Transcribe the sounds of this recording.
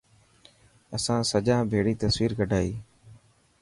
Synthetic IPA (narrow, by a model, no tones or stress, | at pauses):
əsãːsəd͡ʒãːbʱeːɽiːt̪əsʋiːɾkəɖʱaːiː